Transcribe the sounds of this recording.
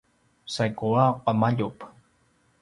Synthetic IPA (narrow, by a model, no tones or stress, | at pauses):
sajkuaqamaʎup